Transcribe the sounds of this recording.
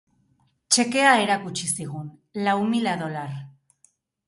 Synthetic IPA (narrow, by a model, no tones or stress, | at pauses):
t͡ʃe̞ke̞ae̞ɾakut͡ʃisiɣ̞un | lawmilaðo̞lar